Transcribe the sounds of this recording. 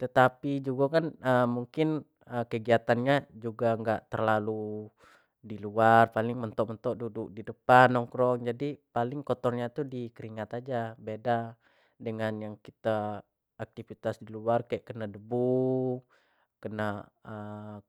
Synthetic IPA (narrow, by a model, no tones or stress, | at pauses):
t̪ət̪apid͡ʒuɡakanəmuŋkɪn | əkəɡiat̪anɲad͡ʒuɡaŋɡaʔt̪ərlalu | diluarpalɪŋmənt̪ɔʔmənt̪ɔʔdudʊk̚didəpanːɔŋkɾɔŋd͡ʒadipalɪŋkɔt̪ɔrɲat̪udikəɾiŋat̪ad͡ʒabeda | dəŋanjaŋkit̪a | ak̚t̪ifit̪asdiluarkajaʔkənadəbu | kənaə